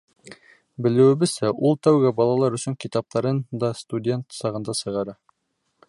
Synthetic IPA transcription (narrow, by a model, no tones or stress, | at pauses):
bɘ̆lɘ̆wɘ̆βɘzsæʔulˠt̪æwɡæbɑlˠɑlˠɑɾɵ̆sɵ̆ŋkit̪ɑp̚t̪ʰɑɾɤnd̪ɑst̪udʲe̞nt̪sɑʁɤ̆nd̪ɑsɤ̆ʁɑɾɑ